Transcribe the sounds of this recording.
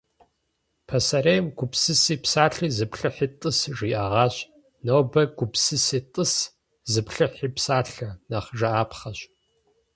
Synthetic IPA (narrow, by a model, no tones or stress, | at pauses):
pʰɐsɐɾejmɡʷʊpsɨsiːpsaːɬiːzɨpɬɨħiːtʼɨsʐiːʔɐʁɑːɕ | nowbɐɡ̥ʷʊpsɨsiːtʼɨs | zɨpɬɨħiːpsaːɬɐnaχʒɐaːpχɐɕ